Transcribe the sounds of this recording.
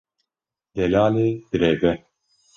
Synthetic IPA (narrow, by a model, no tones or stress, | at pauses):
d̪ɛlaːleːd̪̥ɨɾeːvɛ